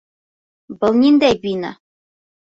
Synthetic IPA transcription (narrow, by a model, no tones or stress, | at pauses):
bɤ̆lˠnʲind̪æjbina̰